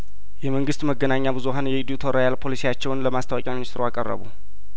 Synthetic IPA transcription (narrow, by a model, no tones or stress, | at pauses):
jɛməŋɡɨst̪məɡːənaɲːabɨzuɦanjɛid̪iut̪ʰoɾajalpʰo̞lisijat͡ʃːɛwnləmast̪ʰəwakʼjaminist̪ʼɾuakʼə̰rːə̰βṵ